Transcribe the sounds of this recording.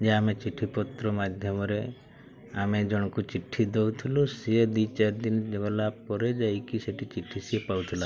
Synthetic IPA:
d͡ʒeamet͡ʃiʈʰipɔt̪ɾɔmad̪ʱjɔmɔɾe | amed͡ʒɔɽ̃kut͡ʃiʈʰːid̪owt̪ʰilusied̪it͡ʃaɾd̪ind͡ʒebalapɔɾed͡ʒajkiseʈit͡ʃiʈʰːisiepawt̪ʰila

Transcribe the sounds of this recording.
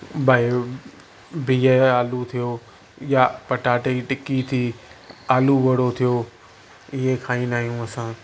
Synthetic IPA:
bʱae | bijeaːlut̪ʰijo | japɐʈaːʈeiʈɪkit̪ʰiːaːluʋɐɽot̪ʰijo | ɪɦekʰaːĩnaːɦijũəsãː

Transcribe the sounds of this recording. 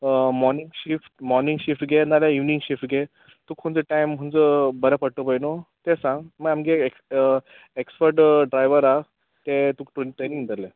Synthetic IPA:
mɔɾniŋɡɕifʈmɔɾniŋɡɕifʈɡenaljaiʋniŋɕifʈɡe | t̪ukʰud͡zəʈajmɦəɳd͡zəbəɾəpəɽt̪opəjnot̪ẽsãŋɡməɡamɡe | ekspəɾʈɖɾajʋəɾa | t̪et̪ukʈʈeniŋd̪əɾle

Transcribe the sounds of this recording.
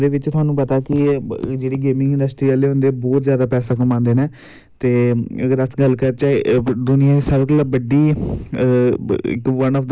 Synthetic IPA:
d̪eːʋɪt͡ʃt̪ʰʊaːnũːpət̪aːkɪd͡ʒeːɽiːɡeːmɪ̃ŋɡɪnɳɖəsʈɾiːaːleːɦõːnd̪eːbɔːt̪zjaːd̪aːpɛːsãːkəmãːnd̪eːneː | t̪eːd̪əsɡəlːkəɾt͡ʃaːed̪ʊniãːeːsəbkələbəɖːiː | ɪ̰kʋənɔːfʰd̪

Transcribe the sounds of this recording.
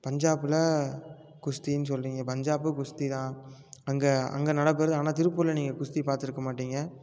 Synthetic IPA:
pɐɲd͡ʒaːpɯlɐ | kʊʂt̪inːɯs̬ɔlriːŋɡɐpɐɲd͡ʒaːp̬ɯkʊʂt̪it̪ãːɐŋɡɐɐ̰ŋɡɐnɐɽɐp̬ːɛɾɐðɯaːnaːt̪ɪɾɯpːɯlɐniːŋɡɐkʊʂt̪ipaːɾt̪ɪɾɯkːɐmaːʈːiːŋɡɐ

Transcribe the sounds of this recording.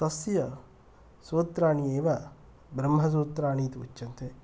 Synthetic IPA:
t̪ɐsjɐ | soːt̪ɾaːɳieːʋa | bɾɐmɦɐs̬oːt̪ɾaːɳiːt̪iṵt͡ʃːt͡ʃːɐnt̪e

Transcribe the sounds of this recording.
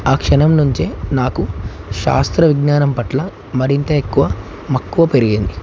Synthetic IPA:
aːkʂɐnɐmnuɲt͡ʃenaːkuʃa̰ːst̪ɾɐʋiɡnaːnɐmpɐʈlɐ | mɐɾint̪ɐekːuʋɐ | mɐkːuʋɐpe̞ɾiɡind̪i

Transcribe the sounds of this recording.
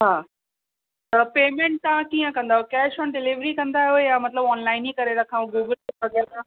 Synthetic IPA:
ɦaː | ɐpeːmẽɳʈ̚t̪aãkiːə̃kɐ̃nd̪aɦokɛːʃɔnɖɪliʋɾikɐ̃nd̪aːɦiojaːmɐt̪ləbɔːnlaːɪnikɐɾeɾɐkʰãũɡɪːbɪlsɐɡẽk̪ʰã

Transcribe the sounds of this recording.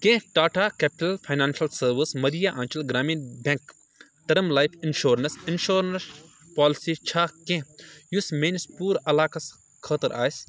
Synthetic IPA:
kẽʈaːʈaːkepʈɐlpʰɐjnaːnʃɐlsɐɾʋismɐɾijaʔãːnt͡ʃɐlɡɾaːmiːnbẽŋk | t̪ɐɾɐmlaːjpʰinʃoːɾɐnsinʃoːɾns | paːlisit͡ʃʰaːkẽjusmeːnispuːɾɐlaːkɐs | kʰəːt̪ɐɾʔa̰ːjs

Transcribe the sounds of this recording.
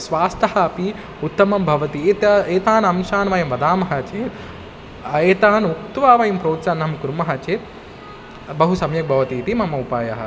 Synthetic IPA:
sʋaːst̪ʰɐɦɐɐpi | ut̪ːɐmɐmbʱɐʋɐt̪ieːt̪aːnɐmʃaːnʋɐjɐmʋɐd̪aːmɐɦɐt͡ʃeːɾ | eːt̪aːnukt̪uʋaːʋɐjɐmpɾoːt̪sɐnɦɐmkuɾmɐɦɐt͡ʃeːɾ | bɐɦusɐmjɐk̚bʱɐʋɐt̪iːt̪imɐmɐupaːjɐɦɐ̰

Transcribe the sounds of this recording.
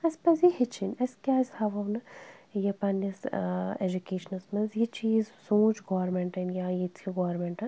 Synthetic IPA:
ɐspɐs̬jihit͡ʃʰinɐskʲaːshɐʋɐwnɨjɐpɐnised͡ʒukeːʃɐnɐsmɐnzjit͡ʃiːzsũːt͡ʃɡoːɾmeɳʈɐnjajit͡sʰiɡoːɾmeɳʈɐn

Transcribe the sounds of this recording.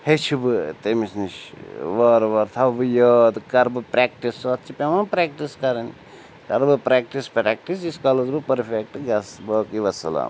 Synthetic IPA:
het͡ʃʰubɨt̪emisniʃʋɐːɾʋɐɾt̪ʰɐbɨjoːd̪kɐɾbɨpɾakʈisɐt̪ːt͡ʃʰipemɐnpɾak̚ʈiskɐɾɐn | kɐɾbɨpɾaːk̚ʈispɾɛːk̚ʈisiskalɐzbɨpɐɾfʰek̚ʈɡɐsbəːkiʋɐsɐla̰ːm

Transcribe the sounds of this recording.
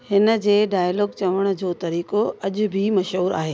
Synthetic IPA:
hɪnə̆d͡ʑeːɖaːjlɔːɡ̚t͡ɕɐʋəɽ̃̆d͡ʑoːt̪ɐɾiːkoɐʄʊ̆bʱimɐʃɦuːɾa̰ːɦeː

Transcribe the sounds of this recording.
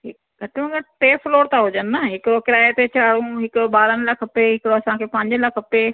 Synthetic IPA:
ɦɪk | ɡʱɐʈmɐ̃ŋɡəʈeːfloːɾt̪aɦʊd͡ʑənɪːɐɦɪkɪɾokɪɾaːet̪et͡ɕaːɽũɦɪkʊbaːɾənɪlɐkʰpeɦɪkɪɽoɐsãkʰeːpɐ̃ɦɪɲd͡ʑənlakʰɐpe

